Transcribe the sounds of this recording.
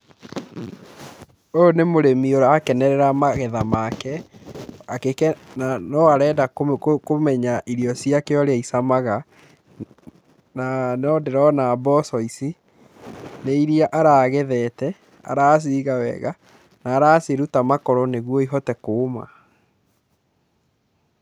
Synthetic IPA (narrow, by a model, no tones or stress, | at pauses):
onemoɾemioɾaakɛnɛɾɛɾamaɣɛðamakɛ | akeknanɔaɾɛːdakomɛɲaʔiɾiɔsiakeɔɾeaisamaɣa | nanɔdeɾɔnabɔsɔisi | neiɾiaʔaɾaːɣɛðɛːtɛ | a̰ɾaːs̬iːɣawɛ̰ɣa | naːɾaːseɾutamakɔɾɔneɣwɔiɦɔtɛkoːma̰